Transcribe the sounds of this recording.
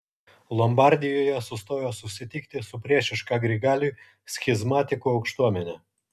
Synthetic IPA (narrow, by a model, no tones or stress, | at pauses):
lˠɔmbɑɾʲd̪ʲɪjoːjɛsʊst̪oːjoːsʊsʲɪt̪ʲɪkt̪ʲɪsʊpʲɾʲiɛʃʲɪʃkɑːɡɾʲɪɡɑːlʲuː | sʲxʲɪzmɑːt̪ʲɪkuːɒʊkʃt̪uɔmʲɛnʲɛ